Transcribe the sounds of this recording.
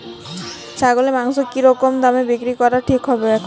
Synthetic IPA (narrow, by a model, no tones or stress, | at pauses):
saɡolemaŋsokiɾɔkɔmd̪amebikɾikɔɾaʈʰikɦɔbeɛkʰ